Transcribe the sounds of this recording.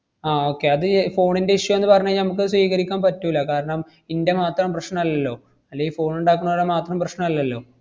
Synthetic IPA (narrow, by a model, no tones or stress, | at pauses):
aːo̞ːkːe̞ɐðɨfo̞ːɳinde̞iʂjɐmenːɨpɐrɐɲːɐnɐmuk̬ːɨsʋiːɣɐɾikʲːaːmpɐtːuilːɐkaːɾɐɳɐm | inde̞maːt̪rɐmprɐɕɳɐmɐlːɐlːo̞ː | ɐlːejifo̞ːɳuɳɖaːk̬ːuɳːoʋɽemaːt̪rɐmprɐɕnɐmɐlːɐlːo̞ː